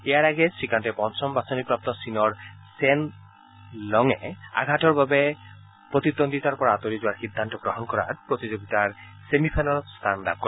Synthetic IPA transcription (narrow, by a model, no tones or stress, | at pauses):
eaɾaɡesikanʈepɔnt͡ʃɔmbasonik̚pɾap̚t̪ɔsinɔɾsen | lɔŋea̰ɡʱaʈɔɾbabe | pɾot̪id̪ond̪it̪aɾpɔɾaat̪oɾid͡ʑoaɾxid̪ʱːant̪ɔɡɾɔɦɔnkɔɾa̰ɾpɾot̪id͡ʑoɡit̪aɾ | semipʰajnalst̪ʰanɖa̰p̚kɔɾ